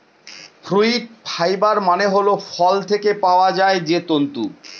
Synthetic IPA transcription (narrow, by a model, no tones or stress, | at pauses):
fʰɾuiʈ̚pʰajbaɾmaneɦolofʰɔlt̪ʰekepaoad͡ʑaed͡ʑet̪ont̪u